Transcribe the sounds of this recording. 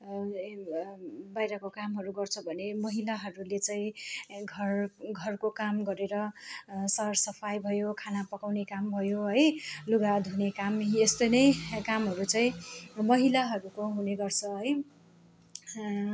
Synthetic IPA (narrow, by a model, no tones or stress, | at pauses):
bajɾʌkokamɦʌɾuɡʌrt͡sʰʌbʱʌnemʌɦilaɦʌɾulet͡sʌĩɡʱʌrɡʱʌrkokamɡʌɾeɾʌsʌrsʌpʰajbʱʌjokʰanapʌkawnekambʱʌjoɦʌjluɡad̪ʱɦunekamest̪ojnʌjkamɦʌɾut͡sʌĩmʌɦilaɦʌɾukoɦuneɡʌrt͡sʰʌɦʌj